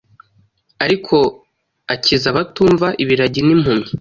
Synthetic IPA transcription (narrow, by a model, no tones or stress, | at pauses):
aɾikʰo̞ | acʰizaβatuːɱvaʔiβiɾaɟinim̥humi